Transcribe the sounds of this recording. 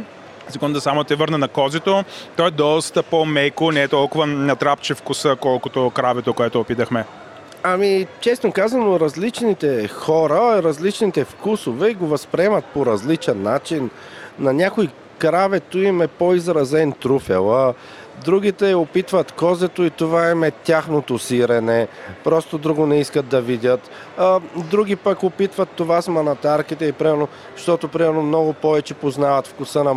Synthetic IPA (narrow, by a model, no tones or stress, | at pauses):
sɛɡɔnd̪ɐsamot̪ɛvəɾnənɐkɔzɛt̪ot̪ɔjd̪ɔst̪əpomɛjkonɛːt̪ɔlˠkʊvənɐt̪ɾapt͡ʃifkʊsəkɔlˠkot̪okɾavɛt̪okoɛt̪oːpit̪əxmɛ | ɐmit͡ʃɛsnokazɐnoɾɐzlit͡ʃnit̪ɛxɔɾəɾɐzlit͡ʃnit̪ɛfkusovɛiɡovɐspɾɛmɐt̪̚poɾɐzlit͡ʃɛnːat͡ʃinː | ɐnʲakoj | kɾavɛt̪uimɛpoizɾɐzɛnt̪ɾufɛ̰lˠə | d̪ɾuɡit̪ɛopit̪vɐt̪kɔzɛt̪oit̪ovaimɛt̪ʲaxnot̪osiɾɛnɛpɾɔst̪od̪ɾuɡʊnɛiskət̪̚d̪ɐvid̪ʲət̪ː | d̪ɾuɡ̟ipəkopit̪vət̪ːovasmɐnɐt̪aɾkit̪ɛipɾimɛɾno | ʃt̪ɔt̪opɾimɛɾnomnɔɡʊpɔvɛt͡ʃɛpoznavɐt̪fkʊsənɐ